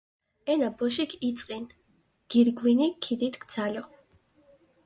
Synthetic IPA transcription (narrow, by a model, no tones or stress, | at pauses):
ɛnabɔʃ̬ikʰit̪sʼqʼin | ɡ̥iɾɡwinikʰid̪it̪ʰɡd̪z̥alɔ